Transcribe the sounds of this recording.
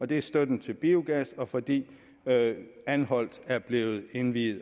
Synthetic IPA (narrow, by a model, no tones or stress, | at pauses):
ɒ̽d̥e̝æɐsd̥ød̥n̩t͡sʰe̝lb̥iːuɡ̥æsɒ̽fɒ̽d̥ḭː | ænhɒ̽l̰d̥æɐb̥le̝ːð̞̩ˠe̝nʋḭːð̩ˠ